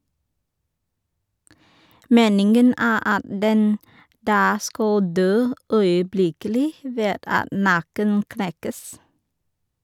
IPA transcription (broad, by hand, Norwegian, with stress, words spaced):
ˈmeːnɪŋɡən ˈæː ˈɑt ˈdɛn ˈdɑː ˈskɑl ˈdøː œʏəˈblɪkəlɪ ˈʋeːd ˈɑt ˈnɑkən ˈknɛkəs